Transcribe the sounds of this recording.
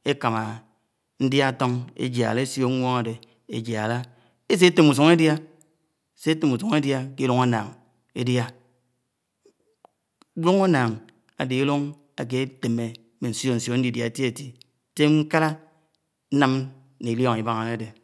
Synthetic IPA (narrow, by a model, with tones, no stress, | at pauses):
e˦ka˨ma˨ | n̩˦dja˦to˦ŋḛ˦d͡ʒa̰˨le˦sjo˦ŋʷ˦o˦ŋa˨de˨ | e˨d͡ʒja˨la˦ | e˦s̬e˦e˦te˦˨mu˨s̬u˨ŋe˦dja˦ | se˦e˦te˨mu˨su˨˦ŋe˦dja˦ke˦lu˦ŋa˦na˨ŋ | e˦dja˦ | lu˦ŋa˦na˨ŋ | a̰˨de˨e˦lu˦ŋ | a̰˨k̬e˦te˨me˨ | me˨n̩˨so˦˨n̩˨sjo˨˦n̩˦i˨dja˨e˨˦ti˦e˨ti˦ | te˦ŋ̩˦ka˦ɾa˦ | n̩˦na˦m | ne˨ljɔ˦ŋ˨i˨ba˦ŋa˨ne˦a˦de˨